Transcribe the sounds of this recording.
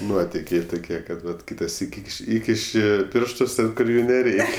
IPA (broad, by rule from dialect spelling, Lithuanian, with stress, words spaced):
ˈnuɔtʲɪkʲɛɪ tʊˈkʲiɛ kɐt ˈʋɐt ˈkʲiːtɐ ˈsʲiːkʲ ˈiːkʲɪʃʲ ˈiːkʲɪʃʲɪ ˈpʲɪrʃtʊs ˈtʲɛn kʊr ˈjuː nʲɛˈrʲɛɪkʲ